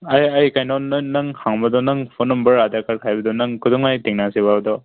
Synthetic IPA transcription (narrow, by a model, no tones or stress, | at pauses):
ajajkajnɔnɯnɯŋhaŋbadɔnɯŋpʰɔnːɔmbəɹadakaɾkʰajbadɔnɯŋkudɔŋajtiŋnasiβabdɔ